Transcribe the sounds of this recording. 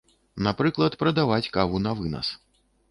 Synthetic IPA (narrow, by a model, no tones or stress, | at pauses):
napɾɨklˠɐt̪pɾɐd̪avat͡sʲkavunɐvɨnɐ̰s